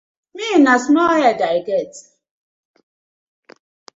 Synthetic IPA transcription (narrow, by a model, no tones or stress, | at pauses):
minasnɔɦɛdaiɡet